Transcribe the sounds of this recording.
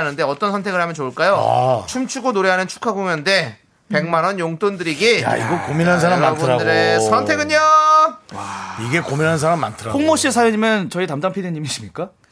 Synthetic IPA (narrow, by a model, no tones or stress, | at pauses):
nɯnde̞ʌt͈ʌnsʰʌntʰeɡɯɭɦamjʌnt͡ɕoːɭk͈ajo̰t͡ɕʰumt͡ɕʰuɡonoɾe̞ɦanɯnt͡ɕʰu̥kʰaɡoŋjʌnde̞ | pe̞ŋmanʌnjoŋt͈ondɯɾiɡija̰ḭɡʌkominɦannsʰaɾamːaɡuɾadɯɾesʰʌntʰe̞ɡɯɲo | iɡe̞kominɦanɯnsʰaɾamːa̰ntʰɯɾapoŋmoɕ͈isʰajʌɲimjʌnt͡ɕʌitamdampʰideɲːimiɕʰimɲik͈a